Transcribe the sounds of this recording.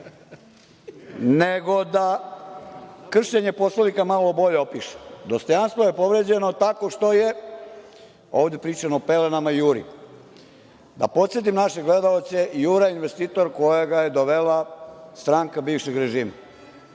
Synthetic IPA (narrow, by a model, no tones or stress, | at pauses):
neɡod̪a | kr̩ʃeɲe̞poslonikamalobo̞ʎeopiʃe̥d̪ost̪o̞janst̪ʋoje̞po̞ʋɾed͡ʑe̞no̞t̪ako̞ʃt̪o̞je | oːʋd̪ʲepɾiːt͡ʃanoːpelenamajuːɾḭ | d̪a̰po̞t̪sje̞t̪̬imnaʃe̞ɡle̞d̪aot̪se̞juːɾainʋest̪iːt̪o̞ɾko̞jaɡajed̪oʋelast̪ɾaŋkabiːʋʃeɡɾeʒiːma̰